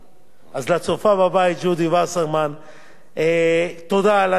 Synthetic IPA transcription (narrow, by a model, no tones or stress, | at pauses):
azlat͡sofababait̪̚d͡ʒud̪ivasaʁman | et̪od̪ala